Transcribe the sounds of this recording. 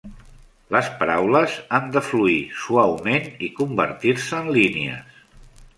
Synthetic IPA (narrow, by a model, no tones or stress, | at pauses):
ləspəɾawləzand̪əfluisuawmenikumbə̰ɾt̪iɾsəːnlinḛə̰s